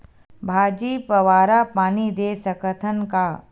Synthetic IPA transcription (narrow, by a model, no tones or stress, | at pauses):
bʱaːd͡ʒiːpɐʋaːɾapaːnid̪eːsəkət̪ʰənka